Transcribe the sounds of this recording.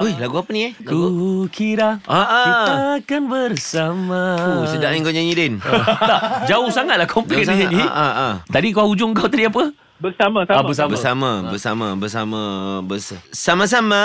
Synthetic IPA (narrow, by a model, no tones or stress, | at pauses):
ojlaɡuapəniɛukʰiɾaaʔaakanbərsamausədaʔɲaŋkaɲaɲidɛnt̪ad͡ʒaʊhsaŋat̪̚lahkʰɔmplɛk̚iinḭʔaʔat̪adikaaud͡ʒʊŋkawt̪adiap̬ə | bəsamaaabəs̬abəsamãbəsamabəsamãbəsasamas̬ama